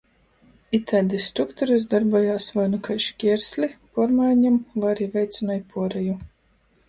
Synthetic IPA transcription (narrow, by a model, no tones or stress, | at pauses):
it̪ʰæd̪isːt̪ɾukt̪ɔɾuzd̪aɾbuɔjaːsvajnukajʃkʲiɛɾsʲlʲipuɔɾmajɲamlaɾivʲɛjt̪sʲinajpuɔɾɛju